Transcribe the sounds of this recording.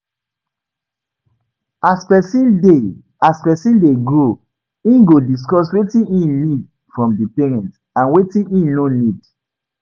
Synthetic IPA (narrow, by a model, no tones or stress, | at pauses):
aspɛsĩnde | aspɛsĩndeɡo | ĩɡodis̬kɔs̬wetĩnĩnid | fɹɔ̃mdipɛɹɛ̃nt | ãnwetĩnĩnonid